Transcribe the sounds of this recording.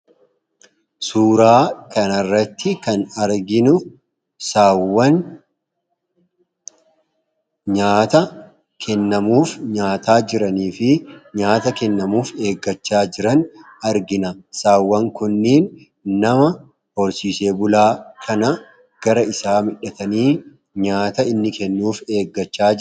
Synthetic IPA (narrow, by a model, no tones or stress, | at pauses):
suːɾaːkɐnɐrːɐt̪ːɪkɐnɐɾɡɪnʊ | saːwːɐn | ɲaːt̪ɐ | kʰɛnːɐmuːfɲaːt̪aːd͡ʒɪɾɐniːfɪɲaːt̪ɐkɛnːɐmuːfe̞ːɡːɐt͡ʃːaːd͡ʒɪɾɐn | ɐɾɡɪnɐsaːwːɐŋkʊnːiːn | nɐmɐ | hɔɾsiːse̞ːbʊlaːkʰɐnɐ | ɡ̥ɐɾɐɪsaːmɪᶑɐt̪ɐniː | ɲaːt̪ɐɪnːɪkɛnːuːfe̞ːɡːɐt͡ʃːaː